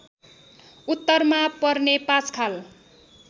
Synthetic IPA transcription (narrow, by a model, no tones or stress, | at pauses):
ut̪ːʌrmapʌrnepãt͡skʰal